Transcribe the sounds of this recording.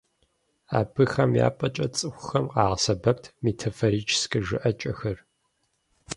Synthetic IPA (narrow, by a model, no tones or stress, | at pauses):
a̰ːbʰɨxɐmja̰ːpʼɐt͡ʃʼɐt͡sʼɨxʷʊxɐmqɑːʁɐsɐbɐp̚tʰmetʰɐfoɾiːt͡ʃʰskɨʒɨ̰ʔɐt͡ʃʼɐxɐr